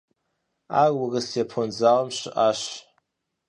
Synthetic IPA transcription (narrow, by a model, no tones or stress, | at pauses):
a̰rwrɨsjapʰonzawmʃʷaʃ